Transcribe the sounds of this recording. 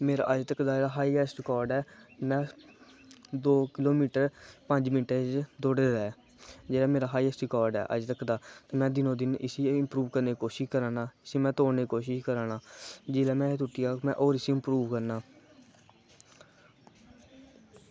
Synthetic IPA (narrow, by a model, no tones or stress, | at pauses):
meːɾa̰ːʔəd͡ʒt̪əkd̪aːd͡ʒeːɽaːɦaːiːɛːsʈkɔːɾɖɛːmɛ̃ː | d̪oːkɪloːmiːʈəɾpəɲd͡ʒmɪnʈeːt͡ʃd̪oːɽeːd̪aːɛː | d͡ʒeːɽaːmeːɾaːɦaːiːɛːsʈikɔːɾɖɛ̰ːʔə̰d͡ʒt̪əkd̪aːt̪eːmɛ̃ːd̪ɪnõːd̪ɪnɪsiːɪmpɾuːʋkəɾnekoːʃɪʃkəɾaːnaːɪsiːmɛ̃ːt̪oːɽneːkoːʃɪʃkəɾaːnaːd͡ʒɪːlɛːmɛ̃ːt̪ʊʈːiaːkmɛ̰̃ːʔoːɾɪsiːɪmpɾuːʋkəɾnaː